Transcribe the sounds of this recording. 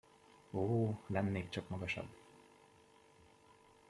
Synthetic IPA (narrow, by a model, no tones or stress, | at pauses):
oːlɛnːeːkt͡ʃɒkmɒɡɒʃɒ̰bː